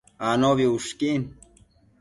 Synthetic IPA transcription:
anoβiuʂkin

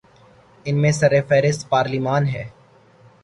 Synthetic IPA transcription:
ɪnmẽsɐɾefɛːɾɪst̪paːɾlimaːnɦɛː

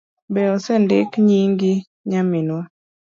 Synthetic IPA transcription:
bɛɔsɛndɪ̰kɲiŋɡɪ | ɲamɪnwɔ

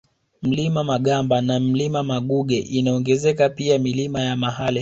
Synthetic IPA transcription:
m̩limamaɠambanam̩limamaɠuɠɛʔinaɔŋɡɛzɛkapiamilimajamaɦali

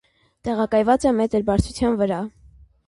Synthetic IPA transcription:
t̪ɛʁɑkɑjvɑt͡sɛmɛt̪əɾbɑɾt͡sʰut͡sʰjɑnvəɾɑ

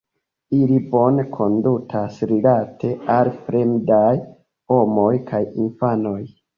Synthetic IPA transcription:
ilibo̞nekʰo̞ndutʰasɾilatʰe̞alfɾe̞mdaj | ho̞mo̞jkajinfano̞j

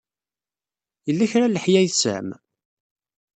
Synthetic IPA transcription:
jəlːæçɾalːəħjæjθsə̰ʕm

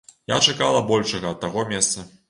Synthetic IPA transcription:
ja̰t͡ʂakalˠɐbɔlʲʂɐɣɐːt̪̚ːaɣɔmʲɛst̪sɐ

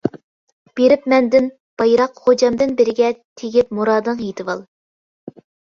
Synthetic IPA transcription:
b̥eɾɪpmɛnd̪ɪn | b̥ɑjɾɑqχod͡ʒɑmd̪ɨnbɪɾɪɡʲɛt̪ʰeɡʲip̚muɾɑːd̪ɨŋjet̪ʰɨvɑlˠ

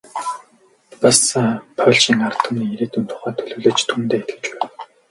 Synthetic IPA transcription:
pasapʰœɮt͡ɕĭŋart̪ʰə̆mniːeɾiːt̪unt̪ʰʊ̥χæːt̪ʰɵɮɵːɮeːt͡ɕt̪ʰumt̪eːet̪ɡɘ̆t͡ɕpæ

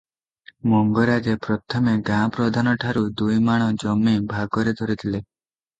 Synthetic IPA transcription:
mɔŋɡɔɾad͡ʒepɾɔt̪ʰɔmeɡãpɾɔd̪ʱanɔʈʰaɾud̪ujmaɽ̃ɔd͡ʒɔmːibʱaɡɔɾed̪ʱɔɾit̪ʰile

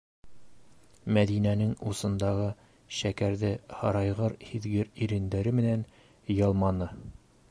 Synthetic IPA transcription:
mæd̪inænɘŋusɤ̆nd̪ɑʁɤ | ɕækæɾðɘhɒɾɑjʁɤɾhiðɡɘɾiɾɘ̆nd̪æɾɘmɘ̆næn | jɒlˠmɑnɤ

